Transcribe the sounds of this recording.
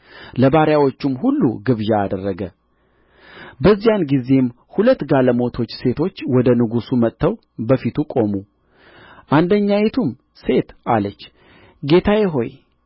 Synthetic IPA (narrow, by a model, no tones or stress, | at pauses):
ləbaɾjawo̞t͡ʃːumhulːṵɡɨβʒaːd̪ərːəɡə | bəzːijanɡize̞m | hulət̪ːɡaləmo̞t̪ʰo̞t͡ʃːse̞t̪ʰo̞t͡ʃːwɔd̪ənɨɡusumət̪ʰːəw | bəfit̪ʰukʼo̞mu | ʔand̪əɲːajet̪ʰum | se̞t̪ʔalət͡ʃː | ɡe̞t̪ʰajɛɦo̞̰j